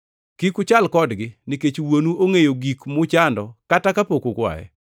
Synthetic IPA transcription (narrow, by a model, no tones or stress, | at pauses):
kikʊt͡ʃalkɔdɡɪniket͡ʃwonuʔoŋejoɡikmʊt͡ʃandɔkatakapokokwa̰jɛ̰